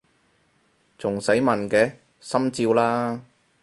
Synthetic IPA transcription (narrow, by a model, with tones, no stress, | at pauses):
t͡sʊ˨˩ŋsɐ˨˥jmɐ˨˩nkɛː˧ | sɐ˥mt͡siː˧wlaː˥